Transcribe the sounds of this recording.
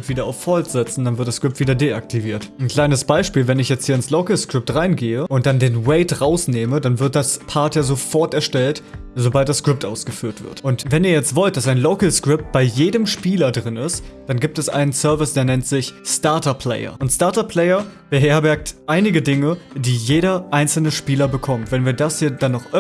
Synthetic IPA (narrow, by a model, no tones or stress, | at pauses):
tv̥iːdɐaʊfːɔltz̥ɛt͡sn̩danvɪɐt̚d̥askʁ̥ɪp̚tv̥iːdɐdeak̚tʰiviːɐtnkʰl̥aɪnəsb̥aɪʃpiːlvɛnɪçjɛt͡sthiːɐɪnsloʊkl̩skʁ̥ɪp̚tʁaɪnɡeːəʔʊnt̚d̥andeːnwɛɪtʁaʊsneːmədanvɪɐt̚d̥aspʰaɐtjaːzofɔɐtɛɐʃtɛltzobalt̚d̥askʁ̥ɪp̚tʔa̰ʊsɡ̥əfyːɐtv̥ɪ̰ɐtʔʊntvɛniːɐjɛt͡stv̥ɔlt̚d̥asaɪnloʊkl̩skʁ̥ɪp̚t̚b̥aɪjeːdəmʃpiːlɐdʁɪnɪstd̥anɡiːp̚tɛsʔa̰ɪnənsœɐvɪsd̥eːɐnɛntz̥ɪçstaɐtɐpʰl̥ɛ̰ɪɐ̰ʔʊntstaɐtɐpʰl̥ɛɪɐb̥əɦeːɐbɛɐk̚tʔaɪnɪɡədɪŋəd̥iːjeːɾɐʔaɪnsl̩nəʃpiːlɐbəkʰɔmtv̥ɛnviːɐdashiːɐdanːɔχʔ